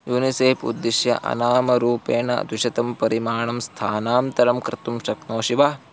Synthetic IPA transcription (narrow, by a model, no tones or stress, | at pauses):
juːniseːpṵd̪ːiʃjɐ̰ʔɐ̰naːmɐɾuːpeːɳɐ̰d̪wiʃɐt̪ɐmpɐɾimaːɳɐmst̪ʰaːnaːmt̪ɐɾɐmkɾɪt̪umʃɐknoːʃiʋa